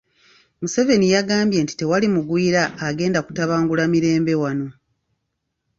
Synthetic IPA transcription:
muse̞ve̞nijaɡaːmbje̞nti̥te̞walimuɡwiːɾaːɡe̞ːndaku̥taβaːŋɡulamiɾe̞ːmbe̞wano̞

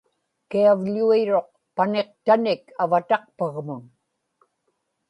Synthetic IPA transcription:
kiavʎuiɻo̞q̚ | pane̞qt̪anɪkavat̪ɑq̚paɣmʊŋ

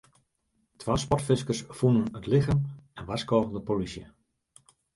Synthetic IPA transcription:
tʰʋaːspɔtfɪskərsfunənətlɪxəmɛnʋaskɔːɣəndəpolisjə

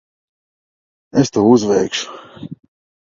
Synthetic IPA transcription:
est̪uːuzvɛjkʃu̥

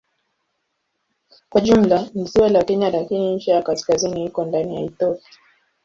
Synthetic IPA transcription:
kwaʄum̩lanisiwalakɛɲalakiniɲt͡ʃɛjakaskazinihikɔndanijaiθɔpia

